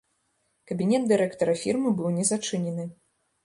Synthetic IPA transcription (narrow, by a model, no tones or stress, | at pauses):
kɐbʲinʲɛd̪̚d̪ɨɾɛkt̪ɐɾɐfʲirmɨbɨwnʲɛzat͡ʂɨnʲɛnɨ